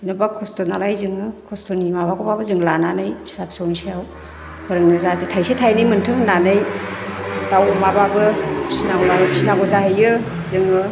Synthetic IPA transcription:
inɯbakʰɔstɔnalajzɯŋɯkʰɔstɔnimabaɡɔbabɯzɯŋlananɯjʰi̥sap̚sownsejaw | bɯɾɯŋnɯzazetʰajsetʰajnɯjmɯntʰɯŋnanɯj | tawmababɯpʰi̥snaɡɔlapʰisnaɡɔzaɦɯjɯ | zɯŋɯ

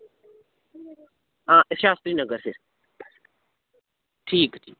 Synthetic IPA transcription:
ãːʔɪsʃaːst̪ɾiːnɐɡəɾsɪs | ʈʰiːkiː

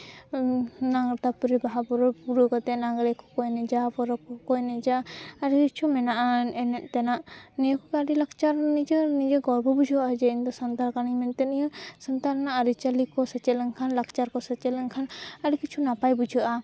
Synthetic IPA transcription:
naŋɾt̪apuɾɛbaɦapɔɾɔpuɾukɔt̪ɛnaɡɾɛkʰɔ̥kɔjnɛd͡ʒapɔɾɔkɔkɔjnɛd͡ʒaaɾikit͡ʃʰumɛnaʔaɛnɛt̪̚ˀt̪ɛnaʔnɛjkɔkaɾilakt͡ʃaɾnid͡ʒənid͡ʒəɡɔɾbɔbud͡ʒʱuad͡ʒɛind̪ɔsənt̪aɾkanimɛnt̪ɛnijəsənt̪aɾnaʔaɾit͡ʃalikɔsət͡ʃɛlɛŋkʰanlakt͡ʃaɾkɔsət͡ʃɛlɛŋkʰanaɾikit͡ʃʰunapajbud͡ʒʱuʔa

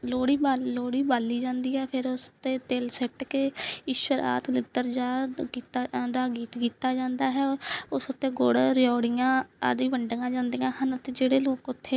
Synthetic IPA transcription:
loːɽiːbaːloːɽiːbaːlːiːd͡ʒãːnd̪iːɛːpʰɪɾʊst̪eːt̪eːlsɛʈkeiːʃwəɾa̰ːt̪lɪd̪əɾd͡ʒaːkiːt̪ad̪aːɡiːt̪kiːt̪aːd͡ʒãːnd̪aːɦɛːʊsʊt̪ːeːɡoɽɾɪjɔːɽɪjãːa̰d̪iːʋəɳɖəɡãːd͡ʒãːnd̪iːãːɦənt̪eːd͡ʒeːɽeːloːkʊt̪ʰːeː

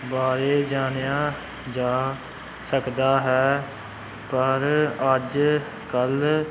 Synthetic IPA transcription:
baːɾeːd͡ʒaːnjaː | d͡ʒaː | səkd̪aːɦɛː | pəɾəd͡ʒ | kəl

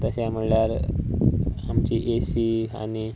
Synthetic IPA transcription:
t̪əseaməɭljaɾ | amt͡ɕiʔesia̰ni

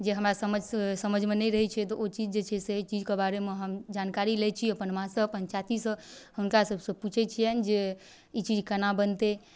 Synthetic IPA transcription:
d͡ʒeɦəmɾasəməd͡ʒʱsəməd͡ʒʱmenɛɾəɦɛt͡ʃʰɛt̪ɔʔot͡ʃid͡ʒd͡ʒet͡ʃʰɛset͡ʃid͡ʒkebaɾemeɦəmd͡ʒankaɾilet͡ʃʰiəpənmãsə̃pənt͡ʃat̪isə̃hunkasəbsə̃put͡ʃʰɛt͡ʃʰiɛnd͡ʒe | it͡ʃid͡ʒʱkənabənt̪e

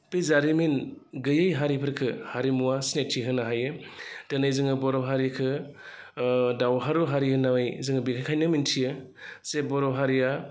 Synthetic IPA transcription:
pezaɾiminɡɯjɯjɦaɾipʰɯɾkʰɯhaɾimuwasnetʰiɦɯnaɦajɯtɯnajzɯŋɯbɔɾɔɦaɾikʰɯ | dawɦaɾuɦaɾihɯnawajzɯŋɯbikʰajkʰajnɯmintʰijɯ | sebɔɾɔɦaɾia

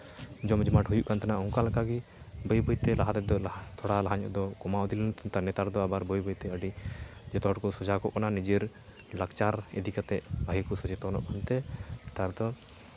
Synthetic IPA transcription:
d͡ʒɔmd͡ʒmaʈɦujuʔkant̪ɛnaɔŋkalkaɡibəjbəjt̪ɛlaɦat̪ɛd̪ɔt̪ʰɔɽalaɦaɲɔ̰ʔd̪ɔkɔmaud̪ilɛnt̪ʰɔnt̪aɾnɛt̪aɾd̪ɔabaɾbəjbəjt̪ɛəɖid͡ʒɛt̪ɔɦɔʈkɔsɔd͡ʒakɔʔkananid͡ʒiɾ | lakt͡ʃaɾɛ̰d̪ikat̪ɛʔbʱaikɔsɔd͡ʒɛt̪ɔnɔ̰ʔkʰɔnt̪ɛt̪aɾd̪ɔ

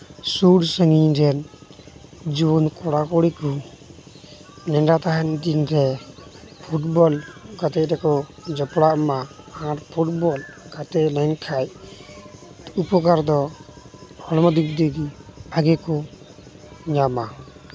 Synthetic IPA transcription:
suɽsəŋiɾɛn | d͡ʒunkɔɽakɔɽiku | nɛɳɖat̪aɦɛnd̪inɾɛ | pʰuʈbɔlɡat̪ɛɾɛkɔd͡ʒɔpɽaʔma | aɾpʰuʈ̚bɔlɡat̪ɛlɛŋkʰaj | upɔkaɾd̪ɔ | hɔlmɔd̪ikd̪iɡiaɡɛkɔ | ɲama

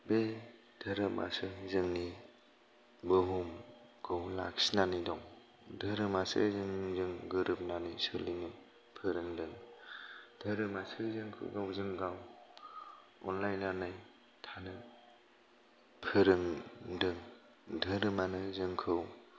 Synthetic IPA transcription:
be | d̥ʱɯɾɯma̰sɯzɯŋni | bɯɦumɡ̥ʰɯwla̰ksinanidɔŋ | dʱɯɾɯmasɯ̰zɯŋzɯŋɡɯɾɯp̚nanɯjsɯlinɯ | pʰɯɾɯŋdɯŋ | dɯɾɯmasɯzɯŋkʰɯ̰wɡawzɯŋɡaw | ɔ̰nlajnanaj | tʰanɯ | pʰɯɾɯŋdɯŋ | dʱɯɾɯmanɯzɯŋkʰɯw

